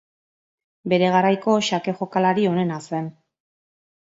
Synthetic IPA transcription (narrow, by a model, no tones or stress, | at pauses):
be̞ɾe̞ɣaɾajko̞ʃake̞ʝo̞kalaɾio̞ne̞nase̞n